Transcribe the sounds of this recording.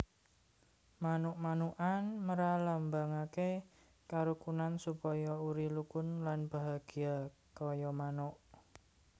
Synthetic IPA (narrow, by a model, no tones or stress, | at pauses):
manʊʔmanuʔanməɾalambaŋake | kaɾukunansupɔjɔuɾilukʊnlanb̥a̤ɦaɡ̥i̤akɔjɔmanʊʔ